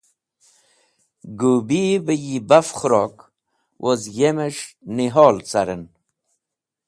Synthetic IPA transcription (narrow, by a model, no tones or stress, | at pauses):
ɡubibəjibafχʊɾok | wʔozjemeʂniɦoːlt͡saɾən